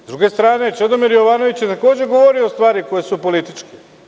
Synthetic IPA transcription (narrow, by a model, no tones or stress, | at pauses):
zd̪ɾuɡe̞st̪ɾaːne̞t͡ʃed̪o̞miɾjo̞ʋaːno̞ʋit͡ɕjet̪ako̞ːd͡ʑeɡo̞ʋo̞ɾioːst̪ʋaːɾiko̞jesupo̞lit̪it͡ʃki̥